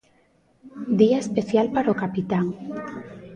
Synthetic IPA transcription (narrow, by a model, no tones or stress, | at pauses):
d̪iaespeθjalpaɾaokapit̪aŋ